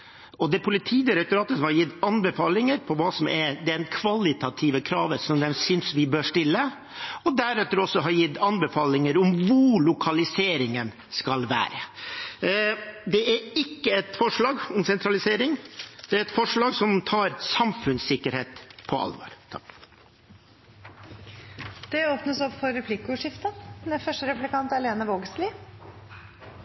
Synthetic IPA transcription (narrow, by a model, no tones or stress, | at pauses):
ɔd̪ɛpʰʊlɪt̪ʰiːd̪əɾɛt̪ʊɾɑːt̪əsɔmhɑɾjɪt̪ːɑnbɛfɑːlɪŋəɾpʰɔʋɑːsɔmʔɛd̪ɛɛɛnkʰʋɑlɪt̪ʰɑt̪ʰiːʋəkʰɾɑːʋəsɔmd̪ɛmsʏnsʋɪbøːʂʈɪlːə | ɔd̪æɾɛt̪ːəɾɔsːɔɦɑɾjɪt̪ːɑnbɛfɑːlɪŋəɾʊmʋʊɾlʊkʰɑlɪseːɾɪŋən | skɑlʋæ̰ːɾə | d̪ɛæɾɪkːəɛt̪fɔʂɭɑːɡɔmsɛnt̪ʰɾɑlɪseːɾɪŋd̪ɛæɾɛt̪fɔʂɭɑːɡsɔmt̪ʰɑːɾsɑmfʉnsɪkːəɾheːt̪pʰɔɑ̰lʋo̰ːɾt̪ʰɑ̰k | d̪̥ɛoːpnəsɔpfɔɾɾɛpʰlɪkʊʂɪft̪ənɛfœʂʈəɾɛpʉlɪkʰɑnt̪ɛleːnəʋoːɡsliː